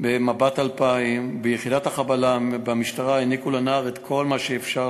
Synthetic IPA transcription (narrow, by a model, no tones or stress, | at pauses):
bemabat̪alpaimbejeχidat̪hakabalabamiʃtaʁaenikulanaːʁet̪kʰo̞lmaʃeːfʃa